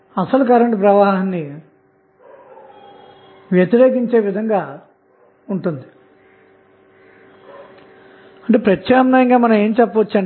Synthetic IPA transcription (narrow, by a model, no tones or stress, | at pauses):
ɐsɐlukɐɾɐɳʈpɾɐʋaːɦɐnːi | ʋjɐt̪iɾeːkiɲt͡ʃe̞ːʋid̪ʱɐŋɡaː | uɳʈund̪i | ɐɳʈeːpɾɐtʰʃaːmnaːjɐŋɡaːmɐnɐme̞ːmt͡ʃɛpːɐʋɐt͡ʃːɐɳ